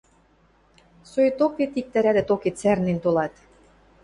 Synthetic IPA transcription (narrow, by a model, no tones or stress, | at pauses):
sojt̪oket̪ik̚t̪æɾæd̪ɘ̆t̪oket̪særnent̪olɑt̪